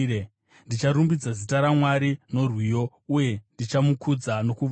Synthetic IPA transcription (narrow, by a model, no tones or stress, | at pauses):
e | ndit͡ʃaɾumbid͡zazitaɾamwaɾino̞rwijo̞ | uje̞ndit͡ʃamukud͡zano̞kuʋ